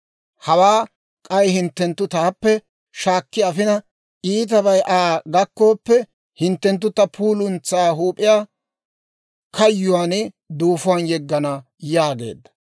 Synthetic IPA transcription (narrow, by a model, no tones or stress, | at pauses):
hɐwaː | kʼɐjhɪnt̪ːɛnt̪ːʊt̪aːpːɛ | ʃaːkːɪɐfɪnɐ | ʔiːt̪̬ɐbɐjʔaːɡɐkːo̞ːpːɛ | hɪnt̪ːɛnt̪̬ːʊt̪ːɐpʰuːlʊnt͡saːɦuːpʼɪjaː | kʰɐjːʊwaːnɪ | d̪uːfʊwɐnjɛɡːɐnɐ | jaːɡe̞̰ːd̪ːɐ̥